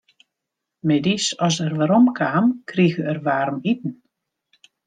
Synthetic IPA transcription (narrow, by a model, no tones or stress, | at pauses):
mɛdisɔsərʋaɾɔmkʰaːmkʰriɣəɛrʋaːɾmit̚n̩